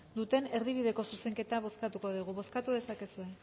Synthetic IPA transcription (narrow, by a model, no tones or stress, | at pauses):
d̪ut̪e̞ne̞ɾð̞iβ̞iðe̞ko̞suse̞ŋke̞t̪aβ̞o̞skat̪uko̞ð̞uɣ̞uβo̞skat̪uðe̞sake̞sue̞